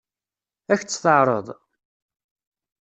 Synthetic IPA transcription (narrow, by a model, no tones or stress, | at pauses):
æçt͡sːθəʕɾˤə̰ðˤ